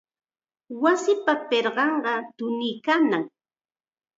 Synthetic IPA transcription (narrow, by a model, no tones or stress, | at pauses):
wasɪpapeɾɢɑɴɢɑt̪ʊnɪkanaŋ